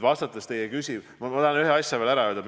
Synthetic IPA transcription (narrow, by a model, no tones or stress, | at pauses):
vɑst̪ɑt̪ːˑest̪e̞jekysʲiv | mɑmɑt̪ɑɑnyɦeɑsʲjɑvelæɾɑøːld̪ɑm